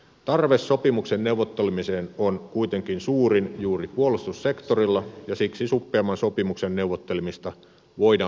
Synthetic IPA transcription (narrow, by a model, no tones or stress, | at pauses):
t̪ɑrʋesːo̞pimuksennewʋot̪ːelmiseːnonkuit̪eŋkinsuːrinjuːripuolust̪usse̞kt̪orilːɑjɑsiksisupːeɑmːɑnsopimuksenːewʋot̪ːelmist̪ɑ | ʋoidɑː